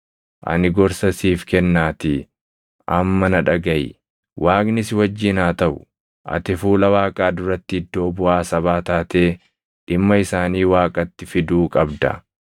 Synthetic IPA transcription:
ʔɐ̰nɪɡɔɾsɐsiːfkɛnːaːt̪ɪ | ʔɐmːɐnɐᶑɐɡɐʔɪ̰ | wʔaːknɪsɪwɐd͡ʒːɪnaːt̪ɐʔʊ | ʔɐ̰t̪ɪfuːlɐwaːkʼaːd̪ʊɾɐt̪ːɪɪd̪ːo̞ːbʊʔaːsɐβaːt̪aːt̪e̞ː | ᶑɪmːɐɪsaːniːwaːkʼɐt̪ːɪfɪd̪uːkʼɐbd̪ɐ̰

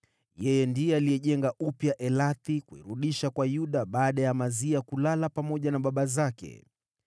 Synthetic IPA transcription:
jɛjɛndijɔalijɛʄɛŋɡaʔupjaʔɛlaθikuḭɾuɗiʃakwajuɗaɓaːɗajamaziakulalapamɔʄanaɓaɓazakɛ̰

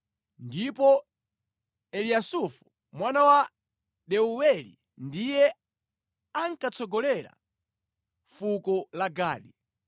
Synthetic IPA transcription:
ndipɔ | ɛlijasufu̥ | mwanawa | ɗɛuwɛlḭ | ndijɛ | aŋ̩kat͡sɔɡɔlɛɾa̰ | fukɔlaɡa̰ːɗi

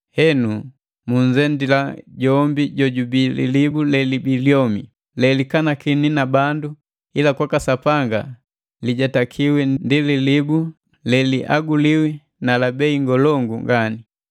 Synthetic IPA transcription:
hɛnu | muɲd͡ʒɛndilaɟɔmbiɟɔɟubilḭlibulɛlibiljɔmi | lɛlikanakininabandu | ilakwakasapaŋɡa̰ | liɟatakʰiwɛndililibu | lɛliʔa̰ɡuliwi | nalabɛiŋɡɔlɔŋɡuŋɡani

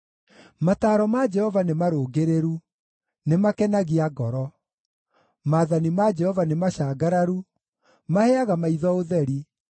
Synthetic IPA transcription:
mataːɾɔmad͡ʒɛhɔvanemaɾoɡeɾeɾu | nemakɛnaɣiaɡɔɾɔ | maðanimad͡ʒɛhɔvanemaɕaɡaɾaɾu | mahɛaɣamaiðɔoðɛɾi

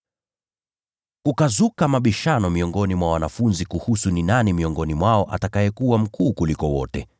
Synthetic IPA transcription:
kukazukamaɓiʃanɔmiɔŋɡɔnimwawanafunzikuhusuninanimiɔŋɡɔnimwaɔʔa̰takajɛkuwam̩kuːkulikɔwɔ̰tɛ

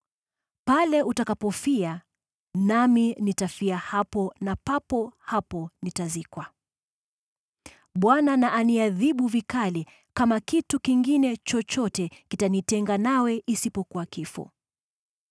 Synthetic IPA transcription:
palɛʔutakapɔfia | naminitafiahapɔnapapɔhapɔnitazikwa | ɓwananaʔaniaðiɓuvikali | kamakitukiŋɡinɛt͡ʃɔt͡ʃɔtɛkitanitɛŋɡanawɛʔisipɔkuwakifɔ̰

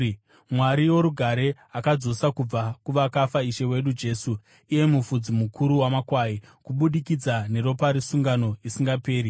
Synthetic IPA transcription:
mwaɾiwo̞ɾuɡʱaɾe̞ | akad͡zo̞sakub͡vakuʋakafaiʃe̞we̞ɗud͡ʒe̞ːsu | ije̞mufud͡zimukʰuɾuwamakwaːjikuɓuɗikid͡zane̞ɾo̞paɾisuŋɡano̞isiŋɡape̞ːɾi

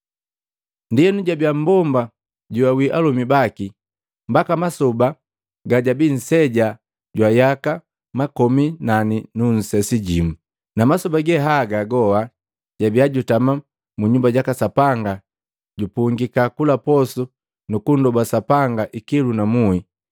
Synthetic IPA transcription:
ndijɛnuɟabiam̩bɔmba | ɟuwawiʔalumibaki | mbakamasɔba | ɡaɟabin̩sɛɟa | ɟwajaka | makɔminaninun̩sɛsiɟimu | namasubaɡɛɦaɡaɡɔha | ɟabiaɟutama | muɲumbaɟakasapaŋɡa | ɟupuŋɡikakulapɔsu | nukundɔbasapaŋɡaʔikilunamui

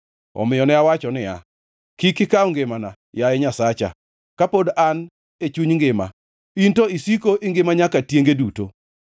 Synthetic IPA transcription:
ɔ̰mɪjɔnɛawat͡ʃɔnɪa̰ | kikɪkauŋɡemana | jaɛɲasat͡ʃa̰ | kapodan | et͡ʃuɲŋɡɪma̰ | intoisikoʔɪŋɡɪmaɲakatjeŋɡeduto̰

